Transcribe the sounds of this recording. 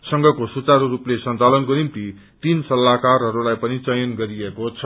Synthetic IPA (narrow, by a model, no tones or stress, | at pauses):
sʌŋɡʱʌkosut͡saɾoruplesʌnt͡salʌnkonimt̪i | t̪insʌlːakarɦʌɾulajpʌnit͡sʌjʌnɡʌɾiekot͡sʰʌ